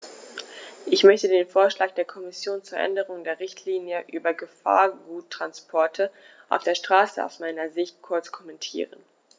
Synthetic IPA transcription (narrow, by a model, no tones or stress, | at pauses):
ʔɪçmœçtədeːnfoːɐʃlaːk̚d̥eːɐkʰɔmɪsjoːnt͡suːɐʔɛ̰ndəʁ̞ʊŋdeːɐʁɪçtʰliːnjəʔyːbɐɡəfa̰ːɐɡuːtʰːʁ̥anspʰɔɐtʰə | ʔa̰ʊfd̥eːɐʃtʁ̥aːsəa̰ʊsmaɪnɐzɪçt̚kʰʊɐt͡skʰɔmɛntʰḭːʁən